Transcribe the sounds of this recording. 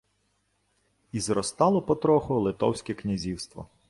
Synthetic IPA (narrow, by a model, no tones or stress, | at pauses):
izɾɔst̪ɑlˠɔpɔt̪ɾɔxʊlˠɪt̪ɔ̰wsʲkʲɛknʲizʲiwst̪ʋɔ̰